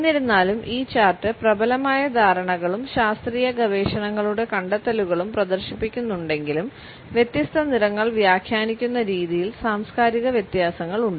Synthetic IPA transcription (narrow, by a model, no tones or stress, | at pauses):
eenːiɾunːaːlumʔiːt͡ɕːaːrʈːɨprɐbɐlɐmaːjɐd̪ʱaːɾɐɳɐɣɐɭumɕaːst̪riːjɐɡɐʋe̞ːɕɐɳɐŋːɐɭuɽe̞kɐɳɖɐt̪ːɐluɣɐɭumprɐd̪ɐrɕipːikʲːunːuɳɖe̞ŋɡilum | ʋje̞t̪jɐst̪ʰɐniɾɐŋːɐɭʋjaːkʰjaːnikʲːunːɐɾiːðijilsaːmskaːɾiɣɐʋjet̪jaːsɐŋːɐɭuɳɖɨ